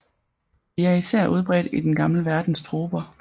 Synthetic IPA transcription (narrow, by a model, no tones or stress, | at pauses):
ʋiæɐisæɐ̰ʔuð̞ˠb̥ʁɛ̰ːd̥id̥enɡ̥ɑ̈mləʋæɐd̥n̩sd̥ʰʁoːb̥ɐ